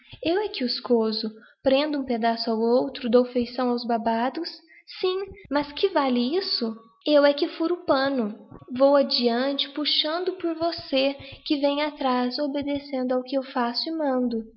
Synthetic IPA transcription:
ewɛkɪʊskozʊ | pɾẽnd̪ʊũped̪asʊawowt̪ɾʊd̪owfejsɐ̃w̃awzbabad̪ʊsː | ĩmɐskɪvalɪisʊ | ewɛkɪfuɾʊpɐ̃nʊvowad͡ʒiɐ̃t͡ʃɪ̥puʃɐ̃nd̪ʊpʊɾvosekɪvẽjɲat̪ɾasobed̪esẽnd̪ʊawkɪewfasʊɪmɐ̃nd̪ʊ

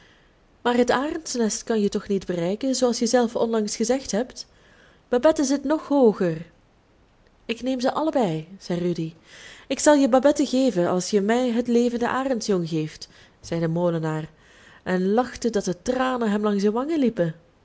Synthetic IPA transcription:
maːrɦətaːrəntsnɛstkɑnjətɔxnidbərɛjkənzoːɑlˠsjəzɛlˠfɔ̰nlɑŋsxəzɛxtɦɛpt | b̥abɛtəzɪtnɔxɦoːɣər | ɪkneːmzəʔɑləbɛjz̥ɛjrydi | ɪksɑlˠjəbabɛtəɣeːvənɑ̰lˠsjəmɛjɦətleːvəndə̰ʔaːrəntjɔŋɣeːft | z̥ɛjdəmoːlənaːr | ʔɛnlɑxtədɑt̚dətraːnənɦɛmlɑŋsdəʋɑŋəlipən

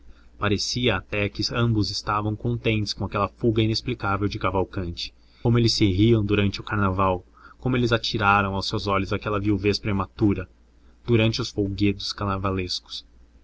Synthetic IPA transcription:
paɾesiɐːt̪ɛkɪɐ̃mbʊzɪst̪avɐ̃w̃kõnt̪ẽnt̪ʊɪskõakɛlɐfuɡɐinesplikavewd͡ʒɪkavawkɐ̃nt͡ʃɪ̥ | õmʊelɪsɪɦiɐ̃w̃d̪uɾɐ̃nt͡ʃɪʊkaɾnavaw | kõmʊelɪzat͡ʃiɾaɾɐ̃w̃awsewzɔʎʊzakɛlɐviwvespɾemat̪uɾɐ | d̪̥uɾɐ̃nt͡ʃɪʊsfowɡed̪ʊskanavaleskʊ̥s

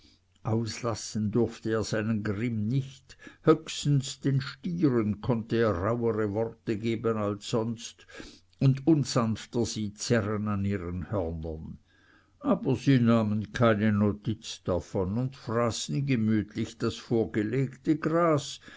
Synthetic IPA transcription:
ʔaʊslasn̩dʊʁftəeːɐz̥aɪnənɡʁɪmnɪçthøkstn̩sd̥enʃtiːʁənkʰɔntəeːɐʁaʊəʁəvɔʁtəɡeːbənalsːɔnst | ʊndʊnzanftəz̥iːt͡sɛʁənaniːʁənhœʁnən | ʔaːbɐziːnaːmənkʰaɪnənotʰit͡sd̥afɔnʊnd̥fʁaːsn̩ɡəmyːtʰlɪçd̥asfoːɐɡ̥əleːɡtəɡʁaːs

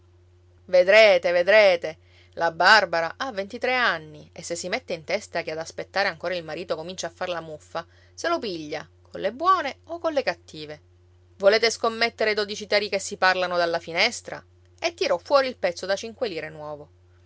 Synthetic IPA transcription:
ved̪ɾeːt̪eved̪ɾeːt̪e | labarbaɾaʔavːent̪it̪ɾeanːiesːesːimet̪ːeint̪ɛst̪ak̟ead̪aspet̪ːaːɾeaŋkoːɾailmaɾiːt̪okomint͡ʃaːfːarlamufːa | selopiʎːakʰolebwɔːneokːolːekat̪ːiːve | voleːt̪eskomːet̪ːeɾed̪od̪it͡ʃit̪ɛːɾikesːiparlanod̪alːafinɛst̪ɾa̰ | et̪ːiɾɔfːwɔːɾiːlpɛt̪sːod̪at͡ʃiŋkweliːɾenwɔːvo

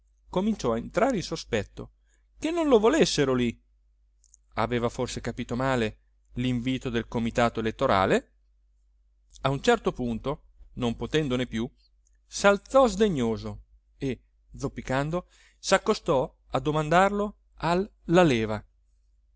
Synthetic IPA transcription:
komint͡ʃɔaent̪ɾaːɾeinsospɛt̪ːo̰ | kenːonlovolesːeɾoli | a̰vɛːvaforsekapiːt̪omaːle | liɱviːt̪od̪elkomit̪aːt̪oelet̪ːoɾa̰ːle | aunt͡ʃɛrt̪opunt̪o | nompot̪ɛnd̪onepːju | salt̪sɔzd̪eɲːoːzo | e | d̪zopːikand̪o | sakːost̪ɔ | ad̪ːomand̪arlo | alːalɛːva

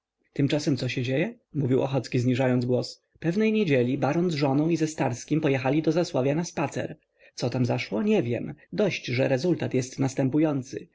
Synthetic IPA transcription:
t̪ɘmt͡ʂasɛmt̪sɔɕɛd͡ʑejɛ | muvʲiwʔɔ̰xɔt̪skʲizɲiʐajɔnd̪zɡwɔs | pɛvnɛjɲed͡ʑelʲibaɾɔnzʐɔnɔ̃w̃izɛst̪aɾskʲimpɔjɛxalʲid̪ɔzaswavʲjanaspat̪sɛ̰ɾ | t̪sɔt̪amzaʂwɔɲɛvʲjɛmd̪ɔɕt͡ɕʐɛɾɛzult̪at̪jɛst̪nast̪ɛmpujɔnt̪sɘ̰

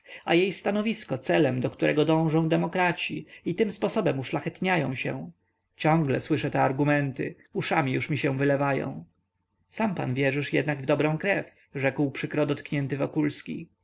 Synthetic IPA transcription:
a̰jejst̪anɔvʲiskɔt̪sɛlɛmd̪ɔkt̪uɾʔɛɡɔd̪ɔ̃w̃ʐɔ̃w̃d̪ɛmɔkɾat͡ɕḭit̪ɘmspɔsɔbɛmuʂlaxɛt̪ɲajɔ̃w̃ɕɛ̰ | t͡ɕɔ̃ŋɡlɛswɘʂɛt̪ɛaɾɡumɛnt̪ɘ̰ | uʂamʲijuʂmʲiɕɛw̃vɘlɛvajɔ̰̃w̃ | sampa̰nvʲjɛʐɘʂjɛ̰d̪naɡvd̪ɔbɾɔ̃w̃kɾɛf | ʐɛkwpʂɘkɾɔd̪ɔt̪kɲɛnt̪ɘvɔkulskʲḭ

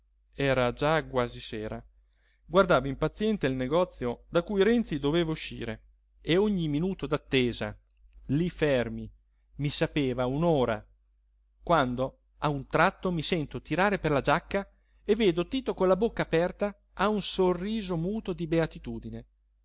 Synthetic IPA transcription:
ɛːɾad͡ʒaɡwaːziseːɾa | ɡward̪aːvoimpat̪sːjɛnt̪eilneɡɔt̪sːjod̪akujɾɛnt̪sid̪oveːvauʃːḭːɾe | eoɲːiminuːt̪od̪at̪ːeːza̰ | lifɛrmi | misapeːvaunoːɾa̰ | kwand̪o | aunt̪ɾat̪ːomisɛnt̪ot̪iɾaːɾeperlad͡ʒakːa | evːeːd̪ot̪iːt̪okolabokːaːpɛrt̪aː | unsorːiːzomuːt̪od̪ibeat̪it̪uːd̪ine

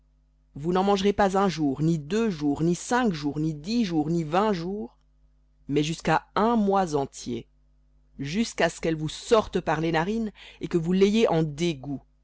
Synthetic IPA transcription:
vunɑ̃mɑ̃ʒʁepazɛ̃ʒuːʁnid̪øʒuːʁnisɛ̃kʒuːʁnid̪iʒuːʁnivɛ̃ʒuːʁ | mɛʒyskaɛ̃mwazɑ̃t̪jḛ | ʒyskasə̥kɛlvusɔʁt̪əpaʁlenaʁinekəvulejeʔɑ̃d̪eɡu

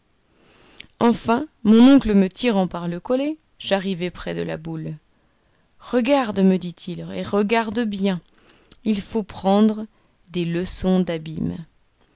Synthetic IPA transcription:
ɑ̃fɛ̃mɔ̃nɔ̃kləmət̪iʁɑ̃paʁləkɔle | ʒ̥aʁivɛpχɛd̪əla̰bul | ʁəɡaʁd̪məd̪it̪ʰilḛʁəɡaʁd̪əbjɛ̃ | ilfopχɑ̃d̪ʁə | d̪eləsɔ̃d̪abim

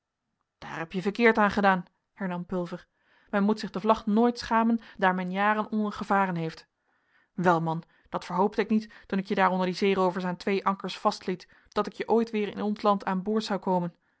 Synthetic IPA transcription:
d̥a̰ːɹɦɛpjəvəɹkɪːɹtaːnχədaːn | hɛɹnɑmpɵlˠvəɹ | mɛnmutsɪχdəvlɑχnoːjtsχaːməndaːɹmɛnjaːrənɔnəɹχəvaːrənɦejft | ʋɛlˠmɑn | d̥ɑtfəɹɦowp̚təɪknittunɪkjədaːɾɔndəɹdizejrowvəɹsaːntʋejʔɑŋkəɹsfɑstlit | d̥ɑtɪkjəʔojtʋɪːɹɪ̰nɔnslɑntʰaːnboːɹtsɑwkowmən

